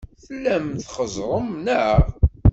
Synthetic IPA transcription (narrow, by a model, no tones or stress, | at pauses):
θəlːæmθχəzˤɾˤəmnəʁ